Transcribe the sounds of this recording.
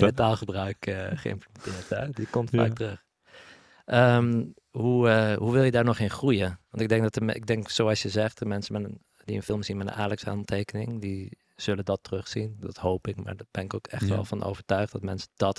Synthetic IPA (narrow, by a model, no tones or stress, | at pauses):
etaːlˠχəbrœɥkəχə̰ɪ̰mpləmɛntɪːɹthɛdikɔmtfa̰ːktərɵx | ʔəm | huəɦuʋɪlˠjədaːɹnɔχɪnχrujəʋɑntɪɡ̚dɛŋk̚dɔtəmɪɡ̚dɛŋksoːɑlˠsjəzɛχtəmɛnsəmɛnən | dḭənfɪlˠmsinmɛtə̰naːlɛksha̰nl̩ˠtʰeːkənɪŋdi | z̥ɵlədɔtərøχsindɑthowpɪkma̰ːɹb̥ɛnɪkoːkɛ̰χtʋɛ̰lˠfɑnʔo̰wvəɹtœɥχd̥ɔtmɛnsəd̥ɔt